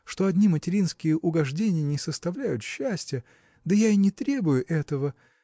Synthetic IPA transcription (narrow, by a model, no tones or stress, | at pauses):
ʂt̪oɐdʲnʲimətʲɪɾʲinskʲɪjəʔʊɡɐʐdʲenʲɪjənʲɪsəst̪ɐvlʲæjʊt̪ɕːæsʲtʲɪjə | d̪əjainʲɪt̪ɾʲe̞bʊjʊʔɛt̪əvə